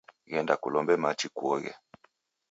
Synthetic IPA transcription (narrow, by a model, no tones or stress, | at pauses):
ɣɛndakulɔmbɛmat͡ʃikuɔɣɛ̰